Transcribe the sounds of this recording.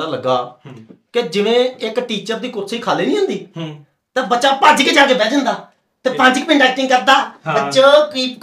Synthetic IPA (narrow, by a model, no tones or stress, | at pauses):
aːləɡaːkɪd͡ʒɪʋẽːɪkʈiːt͡ʃəɾd̪iːkʊt̪siːkʰaːleːnĩːɦə̃ːnd̪iː | t̪ẽːbətːʃaːpaːd͡ʒiːkɪt͡ʃaːkeːbɛːd͡ʒənd̪aː | t̪eːpãnd͡ʒɪk̚pɪ̃ɳɖaːɪʈɪ̃ŋkəɾd̪aːbət͡ʃoːkː